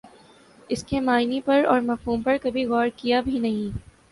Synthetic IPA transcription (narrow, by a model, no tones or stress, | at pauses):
ɪskemaːɪnipɐɾɔːɾmɐfɦuːmpɐɾkɐbʱiɣɔːɾkijabʱinɐɦĩ